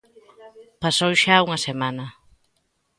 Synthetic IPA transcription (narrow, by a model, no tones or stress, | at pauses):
pasowʃauŋɐsemanɐ